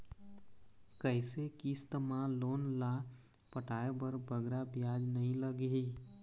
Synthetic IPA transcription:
kəɦɪsekist̪əmãlonla | pəʈaebəɾbəɡɾabjad͡ʒnəɦĩləɡɦi

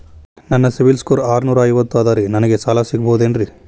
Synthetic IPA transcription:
nɐnːɐsibilskoːɾaːɾnuːɾɐːjʋɐt̪ːuaːd̪aːɾinɐnɐɡe̞saːlasiɡɐbod̪enɖɾi

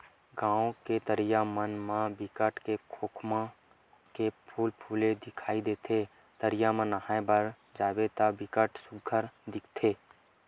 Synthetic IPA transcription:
ɡãːõket̪əɾɪjamənmãbɪkəʈʰkekʰoːkʰmã | kepʰuːlpʰuːled̪ɪkʰaːid̪eːt̪ʰe | t̪əɾɪjamə̃nəhaːẽbəɾ | d͡ʒaːbet̪abɪkəʈsʊɡʱəɾd̪ɪkʰt̪ʰeː

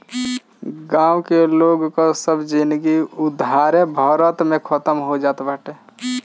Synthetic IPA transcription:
ɡãːwkeloːɡkosəbʱd͡ʒinɡiʊd̪ʱaːɾẽbʱəːɾət̪mẽkʰət̪əmɦod͡ʒaːt̪bʱəʈe

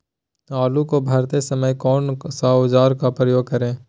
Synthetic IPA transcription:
aːlukobʱɐːɾt̪esɐməjkɔːnsaʊd͡ʒaːɾkapɾəjoːɡ̚kɐɾẽː

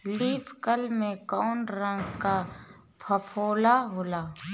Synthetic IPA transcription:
liːpʰkəlmẽkɔːnɾə̃ŋɡka | pʰəpʰoːlaɦoːlaː

